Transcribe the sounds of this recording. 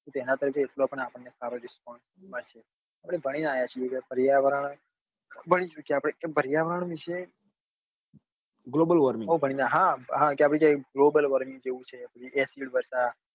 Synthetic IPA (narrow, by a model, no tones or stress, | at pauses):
t̪ot̪enat̪əɾikʰeːʈloapəɳapəɳnesaɾoɖɪskɔnsmat͡ʃʰe | apɽ̃ebʱəɽ̃inajat͡ʃʰijekabəɾijaʋəɾaɳ | bʱəɽ̃it͡ʃukeapɽekebʱəɾijaʋəɾaɳ̃ʋiʃe | ɡlobəlʋəɾmiŋɦobʱəɽ̃inaɦãɦãkeapɽ̃ikaɡlobəlʋəɾmĩŋɡd͡ʒeʋũt͡ʃʰepət͡ʃʰiʔesiɖʋəɾʃa